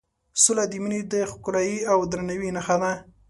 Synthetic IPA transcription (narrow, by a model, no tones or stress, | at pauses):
sʊlad̪iminid̪əxkʊlajiawd̪ɾanawinaxad̪a